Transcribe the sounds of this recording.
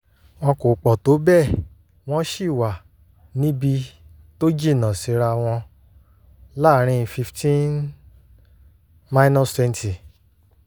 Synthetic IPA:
wɔ̃˧ko˨k͡pɔ˨to˨˦bɛ˦˨ | w̃ɔ̃˦ʃi˦˨wa˨ | nĩ˦bi˧ | to˦d͡ʒi˦˨nã˨si˨˦ɾa˧w̃ɔ̃˧ | la˦˨˦ɾ̃ĩ˧fi˧ftʰĩ˦n | ma˧˦nɔ̃˦˨stwɛ˧nti˨

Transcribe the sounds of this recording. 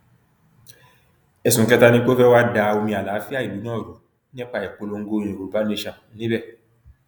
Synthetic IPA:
ɛ˨sũ˨kɛ˦ta˦nĩ˦ko˦fɛ˦wa˦da˧o˧mĩ˧a˨la˨˦fi˦a˦˨i˨lu˨˦nãː˦˨ɾo˨˦ | nĩ˦ɛ˦k͡pa˧˨jɛ˨k͡po˧lo˧ŋ̩˦ɡo˦ĩ˨˧ɾĩ˨ko˨u˨ba˨˦nĩ˦ʃa˨˦nĩ˦bɛ˦˨

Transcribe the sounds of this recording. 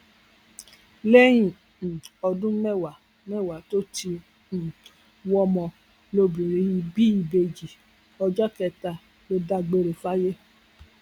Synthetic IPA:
lɛ˦j̃ĩ˦˨ | ɔ˧dũ˦mɛ˦˨wa˨ | mɛ̃˦˨wa˨to˦tĩ˧˨ | wɔ˧mɔ̃˧ | lo˧bĩ˨ɾĩ˨˦i˧bi˦i˧˨be˧d͡ʒi˨ | ɔ˧d͡ʒɔ˦kɛ˧ta˧ | lo˧da˧ɡ͡be˧ɾe˨fa˦je˦

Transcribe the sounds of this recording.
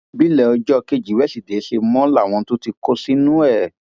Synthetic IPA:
bi˦lɛ˦˨ɔ˧d͡ʒɔ˦˧ke˧d͡ʒi˨˦wɛ˦si˨de˨˦ʃe˧mɔ̃˦la˦˨w̃ɔ̃˧to˦ti˧ko˧˦si˦nũ˦ɛ˦˨

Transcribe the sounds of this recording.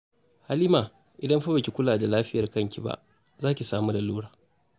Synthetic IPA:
ha˦liː˦maː˨ | ʔɪ˨dɐ˦mɸa˦ba˨kʲi˨kʷʊ˦laː˨da˨laː˦ɸɪ˦jɐ˨rkɐ˦˨ŋkʲi˨ba̰˦ʔ | zaː˦kʲi˨saː˦mu˦da˨luː˦ɽaː˨

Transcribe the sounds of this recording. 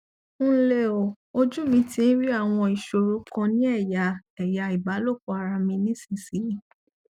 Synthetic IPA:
le˧˨o˨ | o˧d͡ʒu˦mĩ˧˦ti˧˦n̩˦ɾi˦a˦˨w̃ɔ̃˧i˨ʃo˨ɾo˨˦kɔ̃˧nĩ˦ɛ˦˨ja˨ɛ˨ja˨˧i˨ba˨˦lo˦˨ko˨˧a˧ɾa˧mĩ˧nĩ˦sĩ˦˨si˨˦

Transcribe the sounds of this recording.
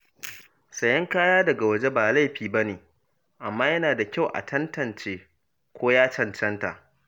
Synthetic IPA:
sɐ˨jɐ˦ŋkaː˦jaː˦dɐ˨ɡa˨wɐ˦d͡ʒe˦baː˨la˦jɸiː˨bɐ˦neː˨ | ʔa˨mːaː˦jɐ˦naː˨da˨kʲa˦˨wʔa̰˨tʰɐ˦ntɐ˨nt͡ʃeː˦ | kʷoː˦jaː˦t͡ʃɐ˨ntɐ˦nta̰˨ʔ

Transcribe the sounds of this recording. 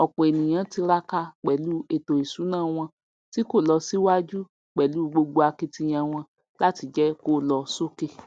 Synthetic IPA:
ɔ˨k͡pɔ̃˨e˨nĩ˨j̃ã˧˦ti˧ɾa˦ka˧k͡pɛ˨lu˨˦e˨to˨i˨su˨˦nãː˦˨w̃ɔ̃˧ | ti˦ko˦˨lɔ˧si˦wa˦d͡ʒu˦ | k͡pɛ˨lu˨˦ɡ͡bo˧ɡ͡bo˧a˧ki˧ti˧j̃ã˧w̃ɔ̃˧ | la˦ti˧d͡ʒɛ˦ko˦lɔ˧so˦ke˦˨

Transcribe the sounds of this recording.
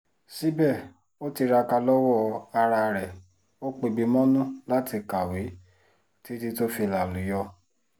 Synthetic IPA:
si˦bɛ˦˨ | o˦ti˧ɾa˧ka˧lɔ˦wɔ˦˨a˧ɾa˧ɾɛ˨ | o˦k͡pe˧bi˨˧˦mɔ̃˦nũ˦la˦tʰi˧ka˨we˨˦ | ti˦ti˧to˦fi˧˨la˨lu˨˦jɔ˧

